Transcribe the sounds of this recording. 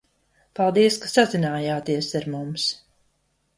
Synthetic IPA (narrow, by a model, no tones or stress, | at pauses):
palˠd̪iɛskasazinaːjaːt̪iɛsaɾmums